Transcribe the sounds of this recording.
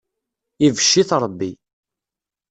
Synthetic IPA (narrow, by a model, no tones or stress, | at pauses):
ivəʃːiθɾˤəbːi